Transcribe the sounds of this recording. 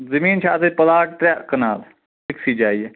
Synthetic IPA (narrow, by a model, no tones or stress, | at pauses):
zəmĩːnʃʰaːt̪ʰepəlaːk̚t̪ɛkənaːl | pɪksiːd͡ʒaːiːɛː